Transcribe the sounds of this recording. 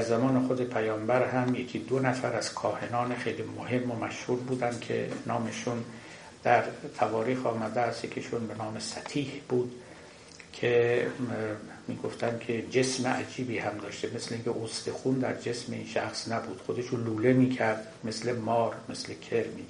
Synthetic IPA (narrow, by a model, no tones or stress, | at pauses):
d̪æɾzæmɒːnexod̪e̞pʰæjɒːmbæɾɦæmje̞kʲʰid̪onæfæɾæz̥kʰɒːhe̞nɒːnexe̞jliːmohe̞mːomæʃhuːɾbuːd̪ænd̪̥kʲʰe̞̰nɒːmeʃun | d̪̥æɾt̪ʰævɒːɾiːxɒːmæd̪eæsjekʲʰeʃunbe̞nɒːmesæt̪ʰiːhb̥uːd̪ | kʰe | miːɡo̞ft̪ʰænkʲʰe̞d͡ʒe̞smeʔæ̰d͡ʒiːbiːhæmd̪ɒːʃt̪eme̞sleiŋcʰʲeʔosd̪exuːnd̪æɾd͡ʒe̞smeiːnʃæxsnæbuːd̪̥xo̞d̪e̞ʃuluːle̞miːkʰæɾd̪̥ | mesle̞mɒːɾme̞slekʰeɾmiː